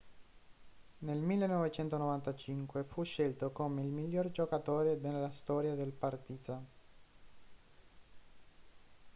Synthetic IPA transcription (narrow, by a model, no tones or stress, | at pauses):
nelmilːenɔvet͡ʃɛnt̪onɔvant̪at͡ʃiŋkwefuʃːelt̪okomeilmiljoːrd͡ʒokat̪oːɾed̪elːast̪ɔːɾjad̪elpart̪iːt̪a